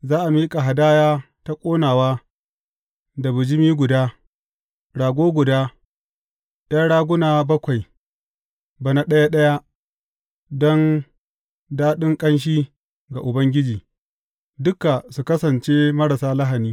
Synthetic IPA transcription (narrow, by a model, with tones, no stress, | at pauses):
zaː˦ʔa˨miː˦kʼa˨ɦa˨daː˦jaː˦ | ta˦kʷʼoː˦naː˨waː˦ | da˨bʊ˨d͡ʒɪ˦miː˦ɡʷʊ˨daː˦ | ɽaː˨ɡʷoː˦ɡʷʊ˨daː˦ | dɐ˦nɽaː˦ɡʷʊ˦naː˨bɐ˦kʷa˨j | ba˨na˨ɗɐ˦ja˦ɗɐ˦ja˦ | dɔ˦n | daː˦ɗɪ˦ŋkʼɐ˦nʃ̬iː˦ | ɡa˨ʔʊ˨bɐ˦ŋɡʲɪ˦d͡ʒiː˨ | dʊ˦ka˨su˨kɐ˦sɐ˨nt͡ʃe˦mɐ˦ɽa˨saː˦la˦ɦa˨niː˦